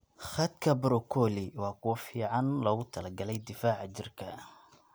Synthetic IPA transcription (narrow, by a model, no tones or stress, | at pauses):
χɐd̪kʰɐbɾɔkʰɔlɪwɑːkʰʊwɐfiːʕɑnlɔːɣʊt̪ʰɐlɐɡɐlɛjd̪ɪfaːʕɑt͡ʃɪrkʰɐ̰